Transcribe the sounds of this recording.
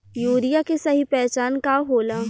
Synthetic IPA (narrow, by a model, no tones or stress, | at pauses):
juːɾijakesɐɦipɛːt͡ʃaːnkaɦoːlaː